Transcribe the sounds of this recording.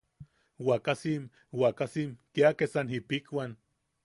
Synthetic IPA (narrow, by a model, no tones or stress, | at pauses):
wakasim | wakasimkiakesanipikwan